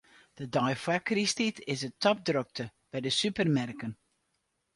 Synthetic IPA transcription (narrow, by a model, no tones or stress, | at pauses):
d̥ədɔjfakristitɪsətɔp̚drøk̚tʰəb̥ɛjdəsypərmɛrkən